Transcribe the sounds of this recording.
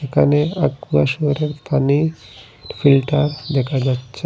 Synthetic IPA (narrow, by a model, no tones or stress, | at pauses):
ekʰaneaɡuaʃuɾeɾp̪ani | filʈaɾd̪ɛkʰad͡ʑatːɕʰe